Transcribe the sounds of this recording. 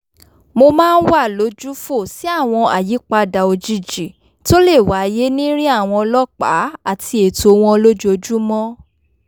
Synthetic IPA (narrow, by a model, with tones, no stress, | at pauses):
mo˧mãː˦˧n̩˦wa˦˨lo˨˦d͡ʒu˦fo˦˨si˨˦a˦˨w̃ɔ̃˧a̰˨ji˨˦k͡pa˧da˨o˧d͡ʒi˦˨d͡ʒi˨ | to˦le˦˨wa˨˦je˦nĩ˦ɾĩ˦a˦˨w̃ɔ̃˧lɔ˦k͡pa˨˦a˦˨ti˧e˨to˨w̃ɔ̃˧lo˦d͡ʒu˦o˧˦d͡ʒu˦mɔ̃˦